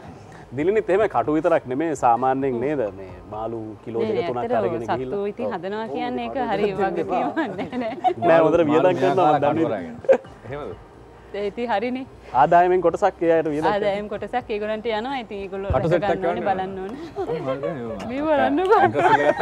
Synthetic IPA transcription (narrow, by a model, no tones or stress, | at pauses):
d̪ilinit̪ːeɦeməkaʈuʋit̪əɾaknemeːsaːmaːnːəeŋneːd̪əmḛːmaːlukiloːd̪ekɐunak̪əɾalɐɡeneɡsaeɦilːuit̪iŋɦɐd̪ɐnəʋakijanːeːkəɦaɾiʋaɡet̪ijmanːɛːnɛnɛːmod̪əɾəʋijəd̪aŋkːanːaad̪ni | t̪it̪iɦaɾini | aːd̪aːjəmeŋkoʈɐsakːejaːeʈəʋijəd̪ad̪aːjemkoʈɐsakːeːɡoɾɐɳʈəjanəʋait̪iŋeːɡoluauseɡanːebalanːoːnə | meːʋɐɾanːəka